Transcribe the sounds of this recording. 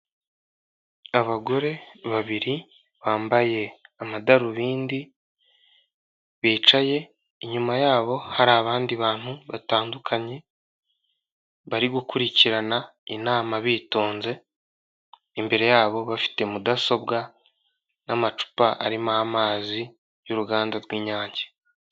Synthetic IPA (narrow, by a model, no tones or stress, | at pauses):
aβaɡo̞ɾe̞βaβiɾi | βaːmbaje̞amadaɾuβiːndi | βiːt͡ʃaje̞ | iɲumajaːβo̞haɾaːβaːndiβaːn̥huβataːndukʰaɲe̞ | βaɾiɡukuɾiciɾanainaːmaβiːtoːnze̞ | imbe̞ɾe̞jaːβo̞βafi̥te̞mudaso̞bɡa | namat͡ʃu̥paʔa̰ɾimahamaːzi | juɾuɡaːndaɾɡwiːɲaːɲɟe̥